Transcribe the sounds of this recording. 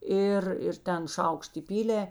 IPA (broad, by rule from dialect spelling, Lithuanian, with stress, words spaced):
ˈɪr ɪr ˈtʲɛn ˈʃɐʊkʃt ɪˈpʲiːlʲeː